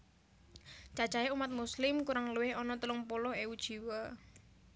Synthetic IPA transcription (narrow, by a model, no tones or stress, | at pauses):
t͡ʃad̥ʒ̥ajeumat̪̚muslɪmkuɾaŋluwɪhɔnɔt̪əlʊŋpolɔheud̥ʒ̥i̤wa